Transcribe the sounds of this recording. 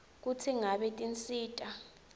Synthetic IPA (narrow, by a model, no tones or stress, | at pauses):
k̬utʰiŋaɓɛtʼint͡sʼiːtʼa